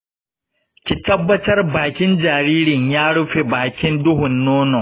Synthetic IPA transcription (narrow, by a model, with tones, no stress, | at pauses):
kʲi˨tɐ˦bːɐ˦tɐ˦rbaː˨kʲɪ˦nd͡ʒaː˨ɾiː˦ɾɪ˨ɲjaː˦ɽʊ˦ɸe˨baː˨kʲɪ˦ndʊ˦ɦʊ˨nːoː˦nɔ˨ŋ